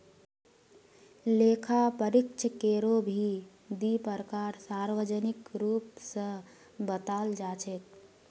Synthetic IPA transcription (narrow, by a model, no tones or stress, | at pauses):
leːkʰapəɾɪkt͡ʃʰəkeːɾobʱi | d̪ipəɾkaːɾsaːɾʋəd͡ʒənɪkɾuːpsə̃ | bət̪aːld͡ʒaːt͡ʃʰet̪̚